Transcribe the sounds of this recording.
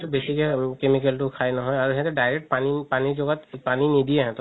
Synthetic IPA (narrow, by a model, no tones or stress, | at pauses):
t̪ubesikɛkemik̬əltukʰajnaɦɔjaɾɦɛ̃t̪eɖajɾek̚ʈpanipaniɾd͡ʒoɡat̪paninid̪ieɦɛ̃t̪